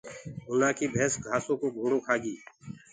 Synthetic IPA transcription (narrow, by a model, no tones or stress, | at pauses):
ɦʊlaːkiːbʱɛːsɡʱaːsõːkoːbʱoːɽoːkʰaːɡiː